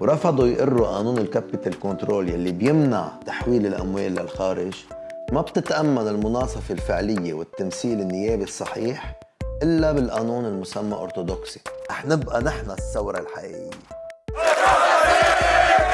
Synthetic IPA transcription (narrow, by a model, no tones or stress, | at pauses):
wɾˤɑfɑd̪ˤujʔʊrːuʔaːnuːnɪlkapːɪt̪ɪlkont̪ɾoːljalːibjɪmna̰ʕt̪ḁħwiːlɪlʔa̰mweːlːalxaːɾɪʒ | mabt̪ɪt̪ʔamːanɪlmʊnɑːsˤɑfelfɪʕlɪjːewɪt̪ːamsiːlɪnːɪjːeːbisˤːɑħiːħ | ʔɪlːabɪlʔanuːnɪlmʊsamːaʔo̰ɾt̪od̪oksi̥ʔaħnɪbʔanɪħnasːawɾˤɑlħaʔḭːʔɪjjːe